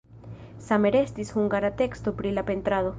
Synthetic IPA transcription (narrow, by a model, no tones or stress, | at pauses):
same̞ɾest̪ishuŋɡaɾat̪e̞kst̪opɾilape̞nt̪ɾaðo̞